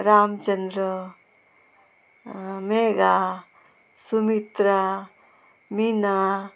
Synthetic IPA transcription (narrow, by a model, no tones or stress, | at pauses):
ɾaːmt͡ʃɐnd̪ɾə | meːɡa | sumit̪ɾa | mina